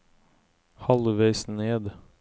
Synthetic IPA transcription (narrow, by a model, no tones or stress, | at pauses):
hɑlʋesneːd̪